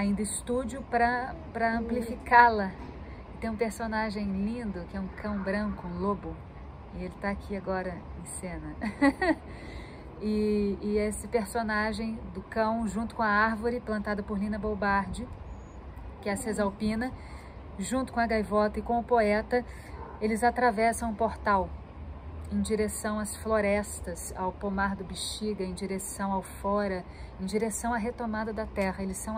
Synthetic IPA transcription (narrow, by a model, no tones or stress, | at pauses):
aĩnd̪ɐɪst̪ud͡ʒʊpɾɐ | pɾɐɐ̃mplifikalɐ | ɪt̪ẽj̃ũpeɾsonaʒẽj̃lĩnd̪ʊkɪɛũkʰɐ̃w̃bɾɐ̃kʊ̃lobʊ | ɪelɪt̪aːkʰiaɡɔɾɐẽj̃sẽnɐ | ɪː | esɪpeɾsonaʒẽj̃d̪ʊkɐ̃w̃ʒũnt̪ʊ̥kõɐaɾvoɾɪplɐ̃nt̪ad̪ɐpʊɾlĩnɐbobaɾd͡ʒɪ | kɪɛɐsezawpĩnɐ | ʒũnt̪ʊkõɐɡajvɔt̪ɐɪkõʊpoɛt̪ɐ | elɪzat̪ɾavɛsɐ̃w̃ʊpoɾt̪aw | ẽj̃d͡ʒiɾesɐ̃w̃ɐsfloɾɛst̪ɐsa̰wpomaɾd̪ʊbiʃt͡ʃiɡɐẽj̃d͡ʒiɾesɐ̃w̃awfɔɾɐ | ẽj̃d͡ʒiɾesɐ̃w̃ɐɦet̪omad̪ɐd̪ɐt̪ɛhɐelɪsːɐ̃w̃